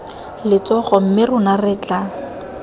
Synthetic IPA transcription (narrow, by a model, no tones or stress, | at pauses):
lɪt͡sɔχɔm̩mɪrʊnarɪt͡ɬʼa